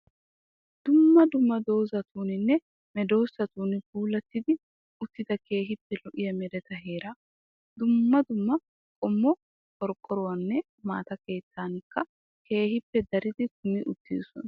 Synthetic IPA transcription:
d̪̥ʊmːɐd̪ʊmːɐd̪o̞ːzɐt̪uːnɪnːɛ | mɛd̪o̞ːsːɐt̪uːnɪbuːlɐt̪ːɪd̪ɪ | ʊt̪ːɪd̪ɐke̞ːɦɪpːɛlɔʔɪjɐmɛd̪ɛt̪ɐɦe̞ːɾa | d̪ʊmːɐd̪ʊmːɐ | kʼɔmːɔ | kʼɔɾkʼːɔɾɔwɐnːɛ | ma̰ːt̪ɐke̞ːt͡s̪ːaːŋkːɐ | ke̞ːhɪpːɛd̪ɐɾɪd̪ɪt̪ʊmɪʔʊt̪ːḭːsɔ̰n

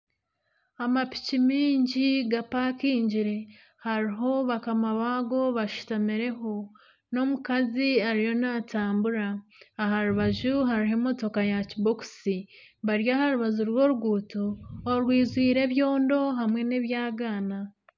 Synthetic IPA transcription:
amapi̥cimiːɲɟiɡapaːkiːɲɟiɾe̞ | haɾiɦo̞βakamaβaːɡo̞βaʃu̥tamiɾe̞ɦo̞ | no̞mukaziaɾijo̞nataːmbuɾaːɦaɾuβaʒuɦaɾiɦe̞mo̞to̞kajaciboku̥si | βaɾjaɦaɾuβazuɾwo̞ɾuɡuːtoːɾwiːzwiːɾe̞βjo̞ːndo̞ɦamwe̞neβjaːɡaːna

